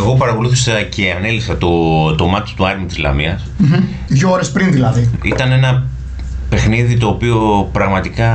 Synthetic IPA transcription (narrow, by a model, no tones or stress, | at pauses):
eɣo̞pɐɾɐko̞luθisɐcʰe̞ɐne̞lisɐt̪ot̪omɐt̪i̥t̪uɐɾinut̪izlɐ̰miɐs | ðʝooɾespɾinðilɐðiit̪ɐne̞nɐ | pe̞xniðit̪o̞ːpio̞pɾɐɣmɐt̪ikɐ